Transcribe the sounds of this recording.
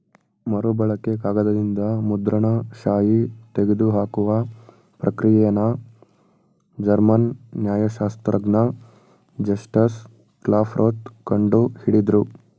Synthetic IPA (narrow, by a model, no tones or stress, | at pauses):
mɐɾubɐɭɐkekaːɡɐd̪ɐd̪ind̪ɐmud̪ɾɐɳɐʃaːjit̪eɡed̪uɦaːkuʋɐ | pɾɐkɾijɛjɐnɐ | d͡ʒɐɾmɐnːjaːjɐʃaːst̪ɾʔɐɡnɐ | d͡ʒɐʂʈɐs | klaːpʰɾʔoːt̪kɐɳɖuhiɽid̪ɾu